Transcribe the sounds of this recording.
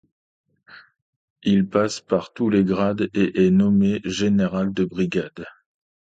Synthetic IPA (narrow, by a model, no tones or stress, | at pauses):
ilpaspaʁt̪uleɡʁad̪eʔɛnɔmeʒeneʁald̪əbʁiɡʲad̪